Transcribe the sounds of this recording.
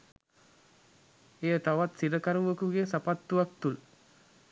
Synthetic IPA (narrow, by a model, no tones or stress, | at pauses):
ejət̪aʋat̪siɾəkaɾuʋəkuɡesapat̪ːuʋak̚t̪ul